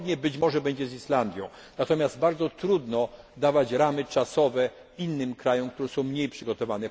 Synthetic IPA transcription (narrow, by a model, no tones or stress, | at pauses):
d̪ɲɛbɘt͡ɕmɔʐɛbɛɲd͡ʑɛziʂland̪ʲjɔ̃w̃ | nat̪ɔmʲjazd̪̚baɾd̪zɔt̪ɾud̪nɔ | d̪avat͡ɕɾamɘt͡ʂasɔvɛ | inːɘmkɾajɔ̃mk̚t̪uɾɛsɔ̃w̃mɲejpʂɘɡɔt̪ɔvanɛ